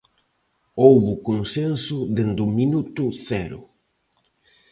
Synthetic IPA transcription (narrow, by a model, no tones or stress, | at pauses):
owβʊkonsensʊðend̪ʊminut̪ʊθɛɾʊ̰